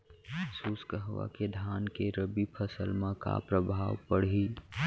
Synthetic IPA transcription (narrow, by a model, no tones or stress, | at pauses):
suːskəɦʋa̰ked̪ʱaːnkeɾəbipʰəsəlmãka̰pɾəbʱaːʋpəɽ̤i